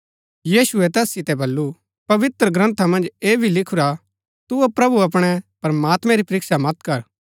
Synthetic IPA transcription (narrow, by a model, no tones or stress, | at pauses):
jiːsuɛt̪ɛːsːɪt̪ɛbɐlːu | pɐʋɪt̪ɾəɡɾɐ̃nt̪ʰamɐ̃nd͡ʒeːbʱilɪkʰuɾa | t̪uopɾɐbuɐp̬ɽ̃ɛpɐɾmaːt̪mɛ̃ɾipɐɾɪksamɐt̪kɐɾ